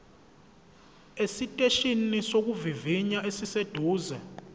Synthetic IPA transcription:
esitʼeʃinisok̬uviviɲaʔesised̥ʱuːzɛ

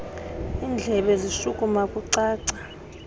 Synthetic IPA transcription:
iːnd͡ɮʱɛɓɛziʃukʼumakʼuǀaːǀa

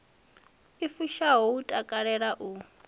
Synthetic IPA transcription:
ifuʃaɦoutʼakʼaɺɛɺaʔu

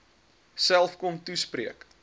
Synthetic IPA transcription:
sælˠfkɔmtuspriək

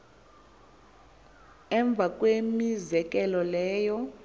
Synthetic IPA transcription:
ɛɱb̪vʱak̬ʼwemizɛk̬ʼɛlɔlɛːjɔ

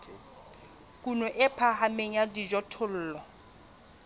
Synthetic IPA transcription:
kʼunɔʔɪpʰaɦameŋ̩jadid͡ʒɔtʰʊl̩ːlɔ

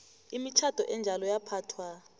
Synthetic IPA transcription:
imit͡ʃʰad̥ʱɔ̰ʔɛnd͡ʒʱalɔjapʰaːtʰwa

